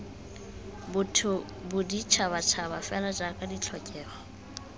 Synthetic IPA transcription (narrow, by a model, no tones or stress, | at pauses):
bʊtʰʊ | bʊdit͡ʃʰaβat͡ʃʰabafɛlad͡ʒakʼadit͡ɬʰɔkʼɛːχɔ